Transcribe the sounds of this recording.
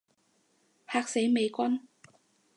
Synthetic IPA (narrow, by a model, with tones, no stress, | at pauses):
hʰaː˧k̚se˨˥jme˨˧jkʷɐ˥n